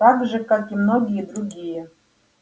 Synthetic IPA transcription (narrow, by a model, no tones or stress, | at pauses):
akʐəkʼakʲimno̞ɡʲijɛd̪ruɡʲijɛ